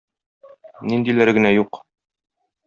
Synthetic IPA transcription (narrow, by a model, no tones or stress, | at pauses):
nind̪ilæɾɡɘ̆næjuq